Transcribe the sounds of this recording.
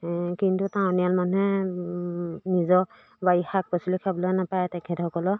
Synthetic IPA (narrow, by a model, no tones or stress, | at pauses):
kintutãw̃nialmanɛ | nizɔ | bajixak̚pɔsilikʰabɔlɔnapajɛtɛkʰɛtɛxɔkɔlɔ